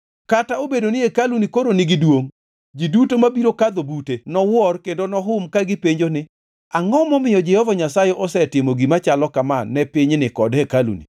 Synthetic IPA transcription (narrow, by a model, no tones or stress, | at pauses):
kataobedonɪekalunikoɾonɪɡɪdwoŋ | d͡ʒidutomabiɾokad̪obutenɔwɔrkendonɔɦʊmkaɡɪpeɲd͡ʒonɪ | aŋɔmɔmɪjɔd͡ʒɛhɔvaɲasajɛʔɔsɛtɪmoɡimat͡ʃalɔkamanːɛpɪɲnɪkɔdhɛkalṵnḭ